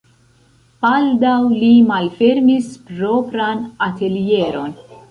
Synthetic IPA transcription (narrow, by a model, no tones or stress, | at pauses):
b̥aldawlimalfe̞ɾmispɾo̞pɾanate̞lie̞ɾo̞n